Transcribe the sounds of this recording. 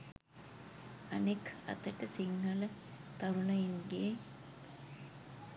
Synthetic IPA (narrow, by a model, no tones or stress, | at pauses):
ɐnekɐ̰t̪əʈəsiŋhɐlə | t̪ɐɾunəinɡeː